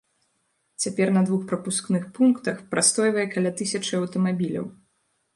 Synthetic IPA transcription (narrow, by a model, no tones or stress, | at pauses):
t͡sʲapʲɛrnɐd̪vuxpɾɐpusknɨxpunkt̪ɐxpɾast̪ɔjvɐjɛkalʲat̪ɨsʲɐt͡ʂɨɐwt̪ɐmabʲilʲɐ̰w